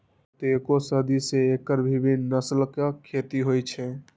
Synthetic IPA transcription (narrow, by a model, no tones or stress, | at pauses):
t̪ekosəd̪iseekəɾbʱibinːəslkekʰːet̪iɦojt͡ʃʰɛ